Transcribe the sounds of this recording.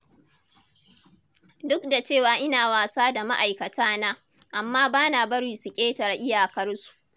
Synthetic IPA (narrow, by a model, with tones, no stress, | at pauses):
dʊ˦kda˨t͡ʃeː˦˨waː˨ʔɪ˦naː˨waː˨saː˦da˨ma˦ʔa˨jkɐ˨taː˦naː˦ | ʔa˨mːaː˦baː˦na˨bɐ˦ɽi˨su˨kʲʼeː˦tɐ˨rʔɪ˦jaː˨kɐ˦rsu̥˨ʔ